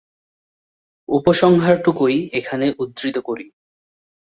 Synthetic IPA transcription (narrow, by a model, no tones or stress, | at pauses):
upoʃɔŋɦaɾʈukojekʰaneʔud̪ːɾit̪okoɾi